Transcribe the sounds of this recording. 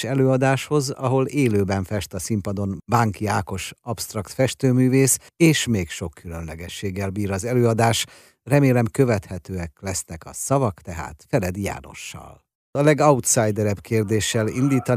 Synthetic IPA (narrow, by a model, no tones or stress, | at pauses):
ʃɛløːɒd̪aːʃho̞zɒɦo̞leːløːbɛɱfɛʃt̪ɒsimpɒd̪o̞nbaŋkiaːko̞ʃɒpst̪rɒkt̪fɛʃt̪øːmyːveːs | eːʃmeːkʃo̞kːylø̞nlɛɡɛʃːeːɡːɛlbiːɾɒzɛløːɒd̪aːʃ | rɛmeːlɛmkø̞vɛt̪hɛt̪øːɛklɛsnɛkɒ̰sɒvɒkt̪ɛɦa̰ːt̪fɛlɛd̪ja̰ːno̞̰ʃːɒ̰l | ɒlɛɡɒut̪sajd̪ɛɾɛbkeːrd̪eːʃːɛlind̪iːt̪ɒ